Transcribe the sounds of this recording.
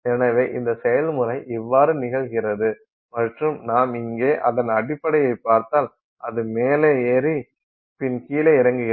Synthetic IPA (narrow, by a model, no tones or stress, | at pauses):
eːnɐʋeːʔɪnd̪ɐsɛjɐlmʊlɐɪʔɪʋːaːɾɯnɪɣɐɭɣɪrɐðɯ | mɐʈrɯmnaːmɪŋɡeːʔɐðɐnɐɽɪpːɐɽɐjɐɪpːaːɾt̪aːl | ʔɐðɯmeːleɛɾi | pɪnkiːleːɪɾɐŋɡɯɣɪ